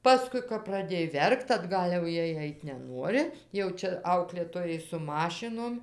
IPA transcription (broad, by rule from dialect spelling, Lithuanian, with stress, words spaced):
ˈpɑːskʊɪ kɐp prɐˈdʲeːj ˈʋʲɛrkt ɐdˈɡɐlʲ jɛʊ ˈjiɛj ˈɐɪtʲ nʲɛˈnuɔrʲɪ jɛʊ ˈt͡ʃʲɛ ˈɐʊklʲeːtoːjɛɪ sʊ ˈmɑːʃʲɪnoːm